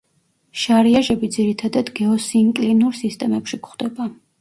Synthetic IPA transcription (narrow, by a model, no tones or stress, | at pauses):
ʃaɾiaʒɛbid̪ziɾit̪ʰad̪ad̪ɡɛɔsiŋkʼlinuɾsist̪ʼɛmɛpʃikχwd̪ɛba